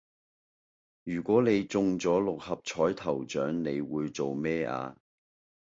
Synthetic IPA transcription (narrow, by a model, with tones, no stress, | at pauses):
jyː˨˩kʷɔː˨˥ne˨˧jt͡sʊ˧ŋt͡sɔː˨˥lʊ˨k̚hɐ˨p̚t͡ʃʰɔː˨˥jt̪ʰɐ˨˩wt͡ʃœː˨˥ŋne˨˧jwuː˨˧jt͡so˨wmɛː˥ʔa̰ː˧